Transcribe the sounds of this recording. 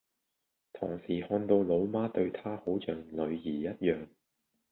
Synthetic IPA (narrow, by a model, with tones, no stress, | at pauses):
t̪ʰoː˨˩ŋsiː˨˩hɔː˧nt̪o˧wlo˨˧wmaː˥t̪ɵ˧ɥt̪ʰaː˥ho˨˥wt͡ʃœː˨ŋlɵ˨˧ɥjiː˨˩jɐ˥t̚jœː˨ŋ